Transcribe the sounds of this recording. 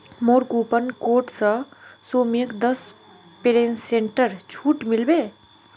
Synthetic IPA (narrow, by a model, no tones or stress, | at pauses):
moːɾkuːpənkoːʈsɐsoːmijəkd̪əs | peɾeːnːẽːɳʈəɾt͡ʃʰuːʈmɪlbeː